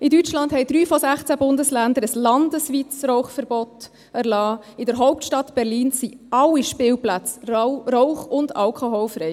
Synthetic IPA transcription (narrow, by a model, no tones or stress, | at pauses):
ɪdyt͡ʃlɑndhɛɪd̥ɾyːfɔsæχt͡sæbʊndəslændəɾəslɑndəsʋiːt͡sɾɔʊχfəɾbɔt̪ | æɾlɑː | ɪdəɾɦɔʊp̚tʃtɑt̪b̥ɛɾliːnsiɑlːiʃpɪːlplæt͡sɾɔʊχʊndɑlkʰɔɦolfɾɛj